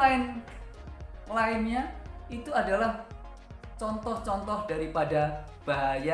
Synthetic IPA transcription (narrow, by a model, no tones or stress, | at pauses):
aɪn | laɪnɲait̪uadalah | t͡ʃɔnt̪ɔht͡ʃɔnt̪ɔhd̥aɾipada | b̥aja